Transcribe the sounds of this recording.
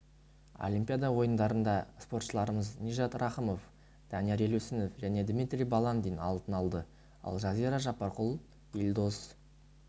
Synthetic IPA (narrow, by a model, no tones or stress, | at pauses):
o̰lʲimʲpʲijad̪ɑwo̞jənd̪ɑɾənd̪ɑspo̞rt̪ʃəlˠɑɾəməznʲiʒɑt̪rʔɑχəmo̞f | d̪̥ʰɑnijeɾelusɪnofʒæne̞d̪mʲit̪ɾʲijbɑlˠɑnd̪ejnɑ̰lˠt̪ənɑlˠd̪ə | ɑ̰lˠʒɑziɾɑʒɑpːɑɾqʊlˠ | ilʲd̪o̞s